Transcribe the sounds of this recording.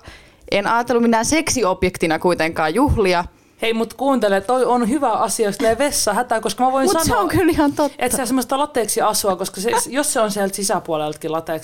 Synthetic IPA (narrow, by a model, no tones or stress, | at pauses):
ʔenɑːt̪elːuminːænseksiopjekt̪inɑkuit̪eŋkɑːjjuhliɑ | heimut̪kuːnt̪elet̪oionhyʋæʔɑsiɑost̪leʋesːɑhæt̪ækoskɑmæʋoinmusɑnseoŋkylihɑnt̪ot̪ːʔet̪siæsemːost̪ɑlɑt̪ːeːksiɑsuɑkoskɑsejosseonsiælt̪sisæpuɑlelt̪kilɑt̪eːˑks